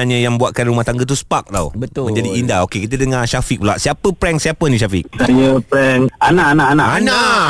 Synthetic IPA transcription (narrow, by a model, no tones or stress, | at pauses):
aɲãjaŋmmbuaʔ̪̚kanɾumaht̪aŋɡət̪̬uspak̚la̰wbət̪ʊmə̃ɲd͡ʒadiːndaokekit̪̬ədəŋaʃafik̚pla̰ʔsiapəpɾɛŋsiapənĩʃ̬afik̚sajəpɾɛŋanãʔanaʔanaana